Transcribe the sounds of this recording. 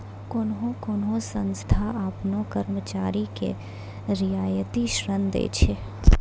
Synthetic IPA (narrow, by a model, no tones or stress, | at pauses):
kʊnɦõkʊnɦõsə̃nst̪ʰaʔaːpnokəɾmət͡ʃaːɾikḛ | ɾɪjaːjət̪iʃɾənd̪ḛːt͡ʃʰe